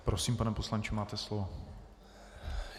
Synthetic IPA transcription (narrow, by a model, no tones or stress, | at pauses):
pɾosiːmpanɛposlant͡ʃɪmaːt̪ɛslovo